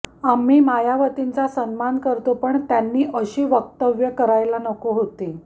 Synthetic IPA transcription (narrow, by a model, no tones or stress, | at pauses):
amiːmajaʋət̪int͡sasənmankəɾt̪opəɳt̪janːiːʔəɕiːʋək̚t̪əʋjəkəɾajlanəkoɦot̪e